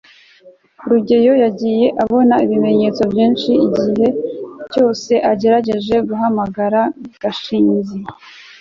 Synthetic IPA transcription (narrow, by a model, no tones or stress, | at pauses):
ɾuɟe̞jo̞jaɟije̞ʔaβo̞naiβime̞ɲe̞t͡so̞bjiːnʃiiɟiɦe̞t͡ʃo̞ːse̞ʔaɟe̞ɾaɟe̞ʒe̞ɡuɦamaɡaɾaɡ̥aʃiːnzi